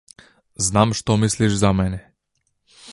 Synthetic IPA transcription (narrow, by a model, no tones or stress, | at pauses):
znamʃt̪ɔmisliʒzamɛnʲɛ